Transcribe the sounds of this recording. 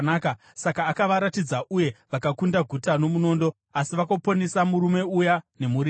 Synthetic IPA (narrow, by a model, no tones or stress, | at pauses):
naːka | sakaːkaʋaɾatid͡zaʔuje̞ʋakakundaɡʱutano̞muno̞ːndo̞ | asiʋakoponesamuɾume̞ujane̞muri